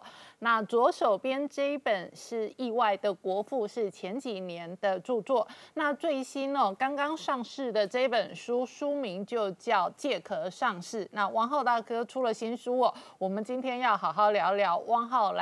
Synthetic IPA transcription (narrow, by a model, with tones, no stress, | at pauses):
na˥˩t͡swɔ˧˥ʂo˨˩ʊpjɛ˥nʈ͡ʂɤ˥˧i˥pə˨˩nʂɻ̩˥˩i˥˧wa˥˩ɪd̪ə˩kwɔ˧˥fu˥˧ʂɻ̩˥˩t͡ɕʰjɛ˧˥nt͡ɕi˨˩njɛ˧˦nd̪ə˨ʈ͡ʂu˥˧t͡swɔ˥˩na˥˧t͡swe˥˩ɪɕi˥nə˨kɑ˥ŋkɑ˥ŋʂɑ˥˧ŋʂɻ̩˥˩d̪ə˩ʈ͡ʂɤ˥˧i˥pə˨˩nʂu˥ʂu˥mi˧˥ŋt͡ɕjo˥˧ʊt͡ɕjɑ˥˧ʊt͡ɕjɛ˥˩kʰɤ˧˥ʂɑ˥˧ŋʂɻ̩˥˩na˥˧wɑ˥˧ŋxɑ˥˧ʊt̪a˥˩kʰɤ˥ʈ͡ʂʰu˥lə˨ɕi˥nʂu˥ɔ˨˩wɔ˨˩mə˨˦nt͡ɕi˥nt̪ʰjɛ˥njɑ˥˩ʊxɑ˨˩ʊxɑ˥˩ʊljɑ˧˥ʊljɑ˧˥ʊwʔɑ˥˧ŋxɑ˥˩ʊl